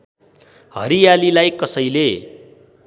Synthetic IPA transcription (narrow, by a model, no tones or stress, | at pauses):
hɦʌ̰ɾijalilajkʌsʌjle